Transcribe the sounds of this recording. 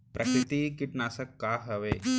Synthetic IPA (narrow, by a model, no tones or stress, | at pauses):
pɾʔɐkɾit̪ikiʈnaːsəkːaːɦɐʋeː